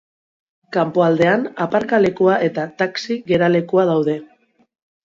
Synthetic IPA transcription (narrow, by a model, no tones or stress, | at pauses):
kampo̞ald̪e̞anapaɾkale̞kuaʔe̞t̪at̪aksiɣe̞ɾale̞kuað̞awð̞e̞